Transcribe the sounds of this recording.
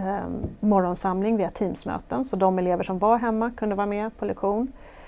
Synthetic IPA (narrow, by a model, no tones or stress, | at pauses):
mɔɾɔnsamlɪŋvɪːat̪ʰiːmsmø̰ːt̪ənsɔd̪ɔmɛleːvəʂɔmvaɾɦɛmːakʰɵnd̪əvɑːɾamɛpʰɔlɛkɧuːn